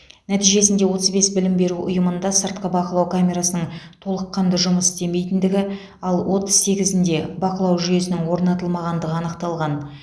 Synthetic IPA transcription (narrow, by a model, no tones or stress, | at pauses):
næt̪ijʒe̞sɪnd̪e̞wo̞t̪əzbe̞sbɪlɪmbe̞ɾuʔʊ̰jəmənd̪ɑsəɾt̪̚qəbɑqəlˠɑwkʰamʲe̞ɾasənəɴt̪ʰo̞lˠəqːɑnd̪əʒʊməsd̪e̞me̞jt̪ɪnd̪ɪɡʲɪ | ɑlˠwʔo̞t̪əz̥se̞ɡʲɪzɪnd̪e̞bɑqəlˠɑwʒʏje̞sɪnɪŋwo̞ɾnɑt̪əlˠmɑʁɑnd̪əʁəɑnəqt̪ɑlˠʁɑn